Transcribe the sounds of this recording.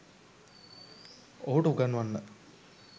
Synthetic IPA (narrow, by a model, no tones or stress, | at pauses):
oɦuʈəuɡanːuʋanːə